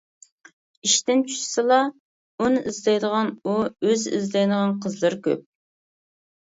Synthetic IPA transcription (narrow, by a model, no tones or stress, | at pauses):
iʃt̪ɪnt͡ʃʰy̥ʃsɨlˠɑ | unɨʔizlɑjd̪əʁɑnuøzḭzlɑjd̪əʁɑnqʰəzlˠɨɾkʲø̰p̚